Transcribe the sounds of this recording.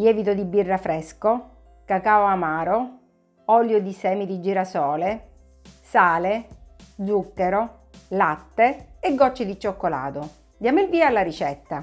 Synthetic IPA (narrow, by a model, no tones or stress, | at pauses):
jɛːvit̪od̪ibːirːafɾɛsko | kakaoamaːɾo | ɔljod̪isɛːmid̪id͡ʒiːɾasɔːle | saːled̪zukːeɾo | lat̪ːeeɡːɔt͡ʃːɪd̪it͡ʃːokːola̰ːt̪o | d̪jamilviːaːlːaɾit͡ʃɛt̪ːa